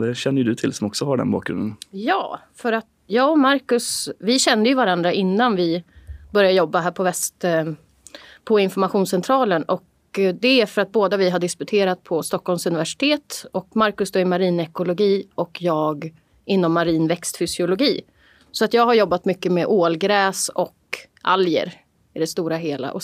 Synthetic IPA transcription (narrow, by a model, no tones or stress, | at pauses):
d̪ɛɕɛnːəɾjd̪ɵt̪ʰɪlsɔmɔksɔɦaɖɛ̰nbɑ̰ːkɡɾɵ̰d̪ənjɑ̰ː | fœɾat̪ | jɑːɔmaɾkɵsvɪɕɛnd̪əjɵvaɾand̪ɾaʔɪnːanvɪbœɾjajɔbːaɦæːɾpʰɔvɛst̪ | pʰɔɪnfɔɾmaɧuːnsɛnt̪ʰɾɑːlənɔk | d̪ɛæfœɾat̪̚boːd̪avɪɦaɖ̪ɪskɵt̪ʰeːɾat̪̚pʰɔst̪ɔkʰːhɔlmsɵnɪvæʂɪ̥t̪ʰeːt̪ɔkmaɾkɵsd̪oːɪɾmaɾiːnɛkʊlʊɡiːʔɔkʰjɑːɡ | ɪnːɔmːaɾiːnvɛkst̪fʏsɪʊlʊɡiː | sɔat̪jɑːɡɦaɾjɔbːat̪mʏkːəmɛʔoːlɡɾɛːsɔk | ʔa̰ljə̰ɾ | ɪd̪ɛst̪uːɾaɦeːla̰ʔɔ